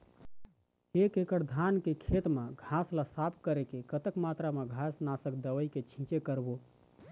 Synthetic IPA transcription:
ekekəɾd̪ʱankekʰet̪meɡʱaslasapʰkəɾekekət̪əkmat̪ɾameɡʱasnasəkd̪əʋəjket͡ʃʰĩt͡ʃekəɾbo

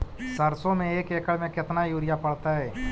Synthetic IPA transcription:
səɾsõmẽeːkeːkəɭmẽkɪt̪najuːɾɪjapɐɽt̪aɦɛː

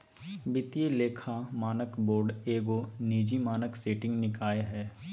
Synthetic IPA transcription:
bɪt̪ijeleːkʰamaːnəkboːɾɖeːɡoniːd͡ʒimaːnəkseːʈɪ̃ŋɡnɪkaːeɦɛː

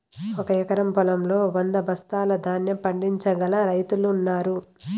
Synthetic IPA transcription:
ɔkɐɛkɐɾɐmpɔlɐmlo̞ːʋɐnd̪ɐbʱɐst̪aːlɐd̪ʱaːnjɐpɐɳɖiɲt͡ʃɐɡɐlɐɾɐjt̪uluːnːaːɾu

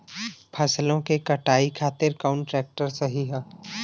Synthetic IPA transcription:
pʰɐslõkekɐʈaːikʰaːt̪ɪɾkaʊɳʈɾɛːk̚ʈəɾsɐɦiɦɛ

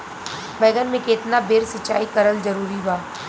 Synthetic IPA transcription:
bɛːɡənmẽkeːt̪nabeːɾsɪt͡ʃa̰ːikɐɾəld͡ʒɐɾuːɾibaː

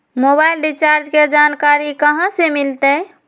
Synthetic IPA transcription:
mobailɖit͡ʃaɾd͡ʒked͡ʒankaɾikəɦãsemilt̪ə

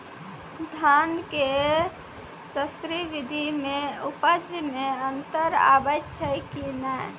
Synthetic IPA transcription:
d̪ʱanke | səst̪ɾibid̪ʱimeupəd͡ʒmeənt̪əɾa̰bət̪t͡ʃʰəkinaj

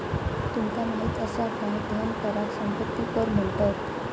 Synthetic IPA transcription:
t̪umt̪anaɦit̪əsaɡ̪ʱad̪ʱənkəɾasəmpət̪ːipəɾm̤əɭʈ̪at̪

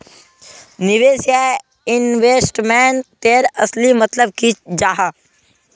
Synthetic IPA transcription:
nɪʋeːsja | ɪnʋeːsʈmɛːnt̪eːɾəslimət̪ləb̚kid͡ʒaːɦa

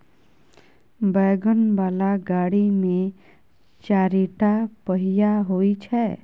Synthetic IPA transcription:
bɛɡənbaːlaɡaɽimẽ | t͡ʃaɾiʈapəɦijaɦoit͡ʃʰɛ

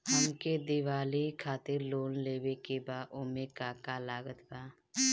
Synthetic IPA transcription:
həmked̪ɪwaːlikʰaːt̪ɪɾloːnleːwekebaːʔʊmekaːkalaːɡət̪baː

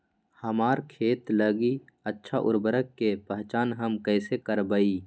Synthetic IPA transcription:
həmaːɾkʰeːt̪ləɡi | ətːʃʰaʔʊ̰ɾbəɾəkːepəɦt͡ʃaːnɦəmkɛːsekəɾbəiː

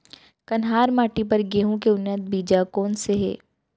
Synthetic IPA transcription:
kɐnɦaːɾmaːʈipɐɾɡeːɦũk̬eʊnːət̪̚biːd͡ʒakɔːnseɦɛ̰ː

